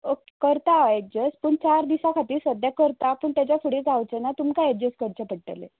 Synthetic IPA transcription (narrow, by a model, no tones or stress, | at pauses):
oke̥kəɾt̪aek̚d͡ʑəspəːɳt͡ɕaɾd̪isakʰat̪iːɾsəd̪ʱjakəɾt̪apəːɳt̪jat͡ɕjafuɽed͡zawt͡senat̪umkaek̚d͡ʑəskəɾt͡ɕapəɽ̚ʈ̪ə̰lḛ